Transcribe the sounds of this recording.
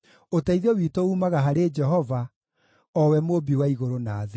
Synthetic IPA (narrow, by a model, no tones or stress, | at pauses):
otaiðɔwiːtouːmaɣaɦaɾed͡ʒɛɦɔva | ɔwɛmoːbiwaiɣoɾonaːðe